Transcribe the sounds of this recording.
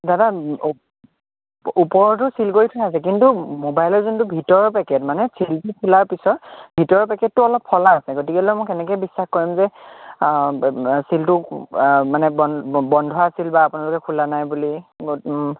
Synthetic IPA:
dada | upɔɹɔtʊsilkoɹitʰʊnasɛk̬intumobajlɔɹzuntʊbʱitɔɹɔpɛkɛtmanɛsiltukʰulaɹpisɔtbʱitɔɹɔpɛkɛtːʊɔlɔpʰːɔlaːsɛɡot̬ikɛalɔjmɔkɛnɛkɔjbisːaxkoɹimzɛ | siltʊ | manɛbɔbɔndʱwaːsilbaːpʊnalʊkɛkʰulanajbuliɡ

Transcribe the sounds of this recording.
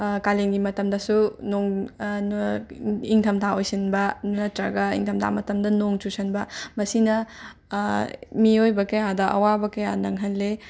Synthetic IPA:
kaleŋɡimɐtɐmdɐsunoŋ | iŋtʰɐmtʰaojsinbɐnnɐtɾɐɡɐḭŋtʰɐmtʰa̰mɐtɐmdɐnoŋt͡ʃusɐnbɐmɐsinɐ | miojbɐkɐjadɐʔɐ̰wabɐkɐjanɐŋɦɐlːe

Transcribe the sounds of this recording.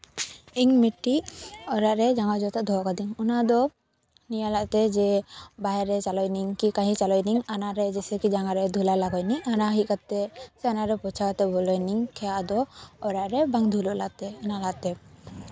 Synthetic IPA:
iŋmiʈːiɔɾaʔɾɛd͡ʒaŋad͡ʒɔt̪aʔd̪ʱɔɦɔkad̪iŋɔnad̪ɔ | nijalaʔt̪ɛd͡ʒɛbaɦɛɾɛt͡ʃalɔjniŋkikaɦit͡ʃalɔjniŋanaɾɛd͡ʒɛsɛkid͡ʒaŋaɾɛd̪ʱulalaɡɔjnianaɦikat̪ɛsɛanaɾɛpɔt͡ʃʰakat̪ɛbɔlɔjniŋkʰɛjaʔd̪ɔːɾaʔɾɛbaŋd̪ʱulɔʔlaʔt̪ɛɔnalaʔt̪ɛ

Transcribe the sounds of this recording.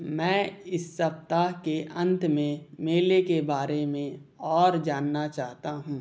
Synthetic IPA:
mɛ̃ːɪsːɐpt̪akeʔɐ̃nt̪mẽmeːlekebaːɾemẽɔːɾd͡ʒaːnːat͡ʃaːɦt̪aɦũː

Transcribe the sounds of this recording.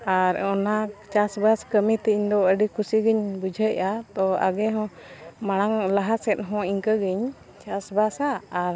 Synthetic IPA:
aɾɔnat͡ʃasbaskəmit̪ɛiɲd̪ɔəɖikʰusiɡəɲbud͡ʒʱəʔat̪ɔa̰ɡɛɦɔ̃maɽ̃aŋlaɦasɛt̪̚ɦɔ̃iŋkəɡiɲ | t͡ʃasbasaːɾ

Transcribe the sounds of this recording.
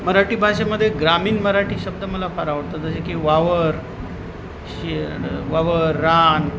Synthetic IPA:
məɾaʈiːbʱaɕaməd̪ʱːjeɡɾamiːnməɾaʈiːɕəbd̪əməlafaɾaʋəɾt̪ad͡zəɕekiʋaʋəɾ | ɕiʋaʋəɾːan

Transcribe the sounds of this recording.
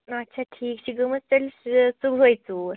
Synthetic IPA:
ɐtːɕʰaʈʰiːkɕiɡəməst͡ɕəlsuɡʱɦojt͡suɾ

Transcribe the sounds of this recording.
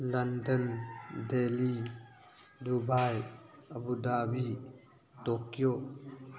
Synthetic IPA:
lɐndəndeli | dubajʔəbudabi | t̪okjo

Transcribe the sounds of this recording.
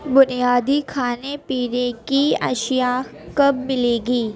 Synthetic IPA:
bʊnijaːd̪ikʰaːnepiːɾekiɐ̰ʃjakɐbmɪleːɡiː

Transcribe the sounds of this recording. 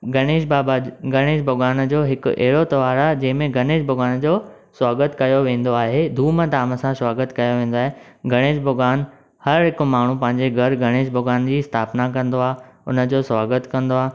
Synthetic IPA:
ɡɐɽ̃eːʃbaːbaɡɐɽ̃eːʃbʱʊɡaːnd͡ʑoːɦɪkʊɛ̰ɦɪɽot̪ɐʋaːɾad͡ʑɐ̃ɦɪ̃mẽɡɐneːʃbʱʊɡaːnd͡ʑoː | swaːɡət̪kɐjoʋẽːn̆d̪oaːɦed̪ʱuːmət̪aːmə̆sãswaːɡət̪kɐjoʋẽːn̆d̪oaːɦeɡɐɽ̃eːʃbʱʊɡaːn | hɐɾɦɪkmaːɳ̤ũpɐ̃ɦɪ̃ɲd͡ʑeɡʱɐɾɡʱɐɽ̃eːʃbʱʊɡaːnd͡ʑiːɪst̪ʰaːpnakɐ̃nd̪oaːɦʊ̰nə̆d͡ʑoːswaːɡət̪kɐ̃nd̪oaː

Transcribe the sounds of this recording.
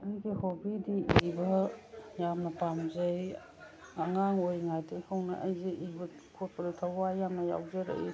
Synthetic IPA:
ɐjɡihobidiibɐjamnɐpamzej | ɐŋaŋojŋajtʰejkʰawnɐ̰ʔɐjzeʔibɐ | kʰot̚pɐɾutʰawajamnɐja̰wzeɾ̰jḭ

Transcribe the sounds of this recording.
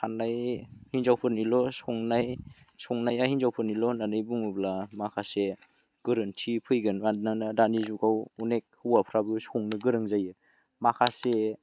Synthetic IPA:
kʰanajhinzawpʰɯnilɔsɔŋnaj | sɔŋnajahinzawpʰɯɾnilɔnanɯjbuŋɯblamakʰase | ɡ̥ɯɾɯntʰipʰɯjɡɯnananadanizuɡawunek̚hɯwapʰɾabusɔŋnɯɡɯɾɯŋzajɯ | makʰase

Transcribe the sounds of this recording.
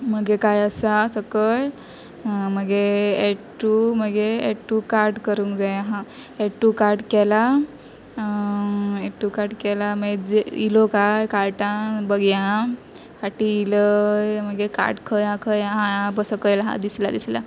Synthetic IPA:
məɡekajəsasəkəl | məɡeeʈuməɡeeʈːukaɾʈkəɾuːŋkd͡zajɦã | eʈːukaɾʈkɛla | eʈːukaɾʈkɛlaməɡed͡zilokajkaɾʈãbəɡjã | kaʈiiləjməɡeka̰ɾʈkʰəjãkʰəjɦãbəsəkəjlɦã̰d̪isla̰d̪isla̰

